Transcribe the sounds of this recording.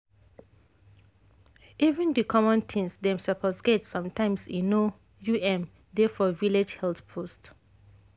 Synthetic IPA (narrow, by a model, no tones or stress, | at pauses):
ivə̃ndikʰɔmɔ̃ntʰĩŋsdɛ̃msəpʰɔsɡɛtsɔ̃mtʰãɪ̃msĩno | juɛ̃m | dɛfɔviled͡ʒhɛlθpʰost